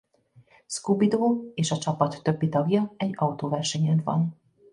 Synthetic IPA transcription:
skubid̪oːeːʃɒt͡ʃɒpɒt̪ːø̞bːit̪ɒɡjɒɛɟːɒut̪oːvɛrʃɛɲɛnvɒ̰n

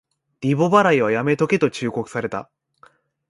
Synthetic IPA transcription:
ɾʲibo̞baɾaiβ̞ajame̞t̪o̞ket̪o̞t͡ɕɨːko̞kɯ̟̥saɾe̞t̪a̰

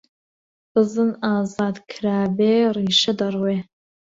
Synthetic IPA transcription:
b̥ɨzɨnaːzaːd̪kʰɾaːbeːriːʃɐd̪ɐrweː

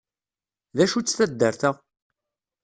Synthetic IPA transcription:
ðæʃut͡sːθæd̪ːəɾθæ

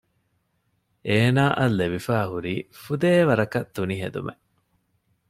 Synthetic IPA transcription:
ʔeːnaːʔɐlːeʋifæːɦuɾiːfud̪eːʋɐɾɐkɐt̪ːuniɦḛd̪ṵmʔḛ

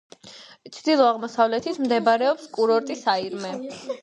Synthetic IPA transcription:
t̪t͡ʃʰd̪ilˠɔaʁmɔsavlɛt̪ʰit̪ʰmd̪ɛbaɾɛɔpskʼuɾɔɾt̪ʼisaiɾmɛ

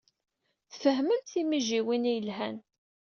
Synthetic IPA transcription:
θfəɦmənθimiʒiwinijəlɦæn

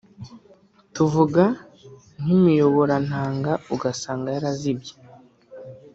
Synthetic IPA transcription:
tuvuɡa | n̥imijo̞βo̞ɾan̥haːŋɡauɡasaːŋɡajaɾazib̚je̥

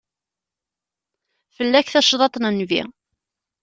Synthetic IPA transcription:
fəlːæçθæʃðˤɑt̪ˤnənvḭ

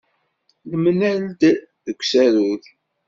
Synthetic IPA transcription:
ləmnæld̪ | ðəkʷːsæɾuð

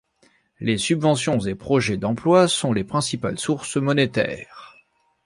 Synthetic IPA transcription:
lesybvɑ̃sjɔ̃zepχɔʒɛd̪ɑ̃plwasɔ̃lepχɛ̃sipa̰lsuʁsmɔnet̪ɛ̰ːʁ

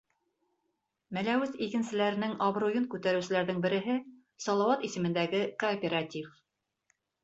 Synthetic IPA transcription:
mælæwɘθikɘ̆nsɘ̆læɾɘ̆nɘŋɑbɾujɤnkʉt̪æɾʉ̆sɘ̆læɾðɘŋbɘ̆ɾɘ̆ɦɘ | sɒlˠɑwɑt̪isɘ̆mɘ̆nd̪æɡɘkoːpʲeɾatʲif

